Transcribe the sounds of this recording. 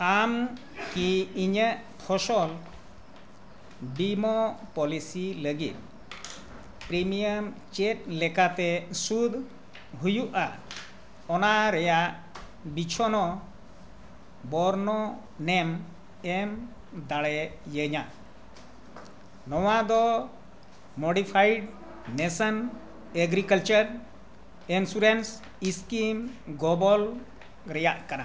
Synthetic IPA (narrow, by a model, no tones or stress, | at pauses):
am | kiiɲəʔt̪ʰɔʃɔl | bimɔpɔlisiləɡit̪̚ | pɾimijəmt͡ʃɛt̪̚ˀlɛkat̪ɛsud̪ʱ | ɦujuʔa | ɔnaɾɛjaʔ | bit͡ʃʰɔnɔ | bɔɾnɔ | nɛm | ɛm | d̪aɭɛjəɲa | nɔwad̪ɔ | mɔɖipʰajɖ | nɛsən | ɛɡɾikəlt͡ʃəɾ | ɛnsuɾens | iskimɡɔbɔl | ɾɛjaʔkana